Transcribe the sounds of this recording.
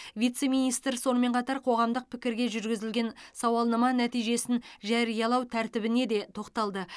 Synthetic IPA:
vijt̪se̞mijnijst̪əɾso̞nəme̞ɴqʰɑt̪ɑɾqʰo̞ʁɑmd̪əq̚pʰɪkʲɪɾɡʲe̞ʒʏɾɡʲɪzɪlɡʲe̞nsɑwɑlˠnəmɑnæt̪ijʒe̞sɪnʒæɾijɑlˠɑwt̪ʰæɾt̪ɪbɪne̞d̪e̞t̪ʰo̞qt̪ɑlˠd̪ə

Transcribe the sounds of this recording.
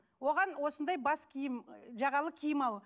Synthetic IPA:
wo̞ʁɑnwo̞sənd̪ɑjbɑskʲʰijɪmʒɑʁɑlˠəkʲʰijɪmɑlˠ

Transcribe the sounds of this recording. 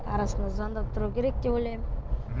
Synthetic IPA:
ɑɾɑsənazɑnd̪ɑp̚t̪ʰʊɾukʲʰeɾek̚d̪ebojlʲejm

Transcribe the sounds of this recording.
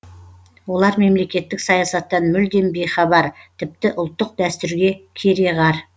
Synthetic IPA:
wo̞lˠɑɾme̞mle̞kʲe̞t̪ːɪksɑjɑsɑt̪ːɑnmʏld̪e̞nbe̞jχɑbɑɾt̪ʰɪp̚t̪ɪʔʊlˠt̪ːəq̚d̪æst̪ʏɾɡʲe̞kʲʰeɾe̞ʁɑɾ

